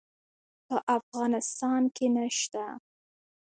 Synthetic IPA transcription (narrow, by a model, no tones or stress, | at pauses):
pəʔafɣɑnɪst̪ɑnkʰenaʃt̪a